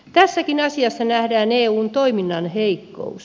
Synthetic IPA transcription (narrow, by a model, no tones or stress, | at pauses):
t̪æsːækinɑsiɑsːɑnæhdæːneːuːnt̪oiminːɑnheikːo̰us